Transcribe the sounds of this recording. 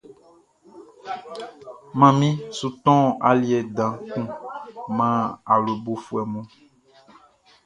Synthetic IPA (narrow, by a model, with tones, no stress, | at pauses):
mã˨mĩ˦su˨t̪ɔ̃˦a˨li˦ɛ˨dã˨kũ˦mã˦a˨lo˨bo˨fu˨ɛ˨mõ˦